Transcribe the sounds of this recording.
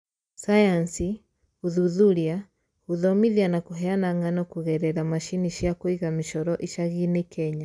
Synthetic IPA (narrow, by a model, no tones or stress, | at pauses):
sajansi | uðuðulia | uðɔmiðianakuɦɛanaŋɡanɔkuɣɛɾɛɾamaʃiniʃiakwiɣamiʃɔɾɔʔiʃaɣinɛkɛɲa